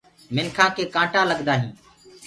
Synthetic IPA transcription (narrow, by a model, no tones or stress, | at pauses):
mɪnkʰãːkʰeːkãːʈãːləɠd̪aːɦĩː